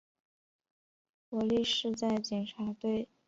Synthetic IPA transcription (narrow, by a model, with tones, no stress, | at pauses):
kɔ˧˥li˥˧ʂɻ̩˥˧t͡sa˥˩ɪt͡ɕɛ˨˩nʈ͡ʂʰa˧˥t̪we˥˩ɪ